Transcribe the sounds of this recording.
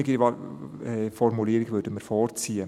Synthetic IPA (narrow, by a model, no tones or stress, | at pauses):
ɪɡi | ɛfɔɾmuliːɾɪɡʋøːdəməɾfɔːrt͡siːə